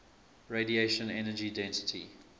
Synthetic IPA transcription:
ɹedieʃə̃nɛnəd͡ʒidɛ̃ntɪ̥tʰḭ

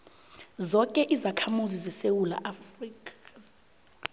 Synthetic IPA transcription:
zɔkʼɛʔizakʰamuzizɛsewula̰ʔafriːkʼḁ

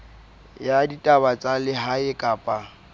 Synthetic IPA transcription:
jaditʼabat͡sʼalɪɦaɪkʼaːpʼa

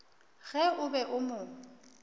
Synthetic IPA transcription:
ɣɛʊbɛʔʊmʊ

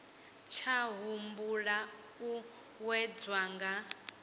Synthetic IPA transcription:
t͡ʃʰaɦumbuɺa | u | wɛd͡zwaːŋɡa

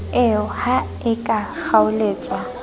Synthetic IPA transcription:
ɪʊha | ɪkʼak͡xaʊleːt͡sʼwa

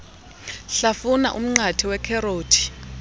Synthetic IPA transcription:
ɬafuna̰ʔṵm̩ŋ͡ǀatʰiwɛkʰɛɾoːtʰi̥

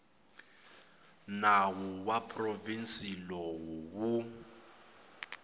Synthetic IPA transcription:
nawuwapʰʼrɔvinsilɔwuwu

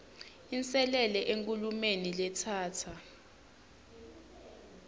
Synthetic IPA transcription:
int͡sʼɛlɛlɛʔeŋkʼulumenilɛtʰaːtʰa

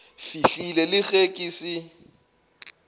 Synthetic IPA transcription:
fiɬilɛlɪxekʼiːsi

